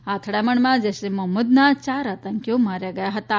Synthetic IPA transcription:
at̪ʰɽjaməɳmad͡zeseməmːud̪nat͡ɕaɾat̪aŋkjomaɾjaɡəjaɦət̪a

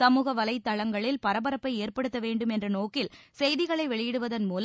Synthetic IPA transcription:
sɐmuːɣɐʋɐlɐɪt̪ːɐɭɐŋɡɐɭɪlpɐɾɐbɐɾɐpːɐɪeːrpɐɽɯt̪ːɐʋeːɳɖɯmɛndrɐnoːkːɪlsɛjðɪɣɐɭɐɪʋɛɭɪjɪɽɯʋɐðɐnmuːl

